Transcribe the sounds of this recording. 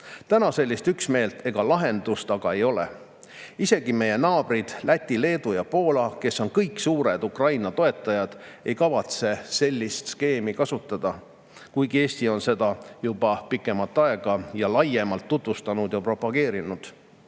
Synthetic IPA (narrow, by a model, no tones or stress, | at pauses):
t̪ænɑse̞lʲːist̪yksme̞ːlt̪e̞ɡ̥ɑlɑɦe̞nd̪ust̪ɑɡ̥ɑe̞jo̞lḛ | ise̞ɡ̥ime̞je̞nɑːb̥rid̪̥lʔæt̪ʲːile̞ːd̪ujɑpo̞ːlɑke̞sːo̞nkɤjksuːɾed̪ukrɑjnɑt̪o̞e̞t̪ːˑɑjɑd̪̥e̞jkɑvɑt̪se̞se̞lʲːist̪ske̞ːmikɑsut̪ːˑɑd̪̥ɑ | kujɡie̞ːsʲt̪io̞nse̞d̪̥ɑjubɑpikːˑe̞mɑlt̪ːˑɑeɡ̥ɑjɑlɑje̞mɑlt̪ːut̪vust̪ɑnud̪̥jɑpro̞pɑɡ̥e̞ːɾinud̪̥